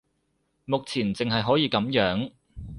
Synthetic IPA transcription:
mʊ˨k̚t͡sʰiː˨˩nt͡se˨ŋɦɐ˨jɦɔː˨˥jiː˨˧kɐ˨˥mjœː˨˥ŋ

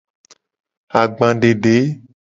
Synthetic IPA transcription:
a˨ɡ͡bã˨ɖe˨ɖe˨˦

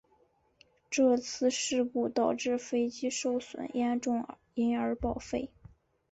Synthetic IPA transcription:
ʈ͡ʂɤ˥˧t͡sʰɹ̩˥˧ʂɻ̩˥˧ku˥˩t̪ɑ˨˩ʊʈ͡ʂɻ̩˥˩fe˥ɪt͡ɕi˥ʂo˥˩ʊswə̰˨˩njɛ˥nʈ͡ʂʊ˥˩ŋ | i˧˥nə˞˧˥pɑ˨˩ʊfe˥˩ɪ

